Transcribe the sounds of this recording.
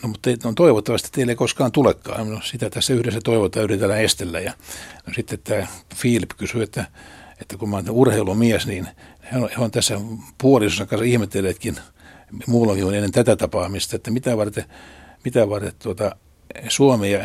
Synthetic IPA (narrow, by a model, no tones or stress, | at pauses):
nomut̪ːeit̪ont̪oiʋot̪ːɑʋɑst̪e̥t̪ːeilːeikoskɑːnt̪ulekːɑ̰ːemossit̪æt̪æsːæyhɾesːæt̪oiʋot̪ːɑːyrit̪ænːæest̪elːæjɑnosit̪ːet̪t̪æːfiːlpkysyet̪ːæet̪ːækumɑnt̪ːæurheilumiæsniːnhæohæont̪æsːæpuolisosːɑŋkɑnsɑihmet̪ːelːeːt̪kin | muːlːoŋkiŋonenːent̪æt̪æt̪ɑpɑːmist̪ɑet̪ːæmit̪æʋɑrt̪emit̪æʋɑrt̪et̪t̪uot̪ɑ | suomejɑ